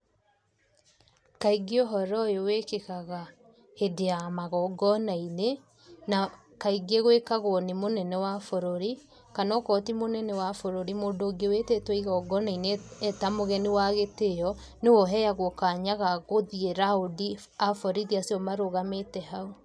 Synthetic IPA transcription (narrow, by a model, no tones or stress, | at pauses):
kaiɡeɔɦɔɾɔjowekekaɣa | hedeamaɣɔɡɔnaine | na | kaiɡeɣwekaɣonemonɛnɛwafoɾoɾi | kanɔkɔtimonɛnɛwafoɾoɾimoːndoɡewetɛtwɛiɣɔɡɔnaineɛtamoɣɛnewaɣetejɔ | newɔɦɛjaɣokaɲaɣaɣoðieɾaodi | afɔɾiðiasiɔmaɾoɣametɛɦau